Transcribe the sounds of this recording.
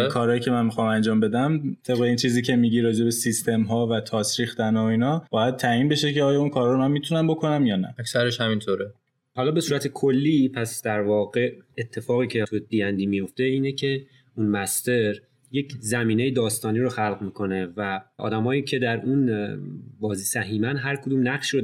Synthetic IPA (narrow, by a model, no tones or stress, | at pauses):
kʰɒːɾːjiːcʰe̞mænmixɒːmænd͡ʒɒːmbe̞d̪æmt̪ʰe̞bɣe̞int͡ʃʰiːziːcʰe̞miːɟiɾɒːd͡ʒe̞besist̪ʰe̞mɦɒːvæt̪ʰɒːsɾiːxt̪ænoiːnɒːb̥ɒːjæd̪̚t̪ʰæiːnbe̞ʃeceɒːjɒunkʰɒːɾhɒɾomænmit̪ʰunæmbokʰo̞næmjɒːnæ̰æksæɾeʃhæmint̪ʰoːɾe | hɒːlɒːbe̞suːɾæt̪ʰe̞kʰo̞lːiːpʰæsd̪̥æɾvɒːɣe̞et̪ʰːe̞fɒːɣiːcʰet̪ʰub̥iːjænd̪iːmijo̞ft̪e̞iːnecʰe̞ | unmæst̪e̞ɾ | je̞czæmiːne̞jed̪ɒːst̪ɒːniːɾoxælɣmiːkʰo̞ne̞væʔɒ̰ːd̪æmɒːjiːcʰe̞d̪æɾun | bɒːziːsæɦiːmænɦæɾkʰod̪uːmnæχʃiːɾo